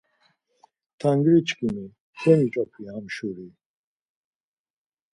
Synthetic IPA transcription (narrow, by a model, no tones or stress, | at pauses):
t̪ʰaŋɡɾit͡ʃʰkini | kʰɛnit͡ʃʼapʰihamʃuɾi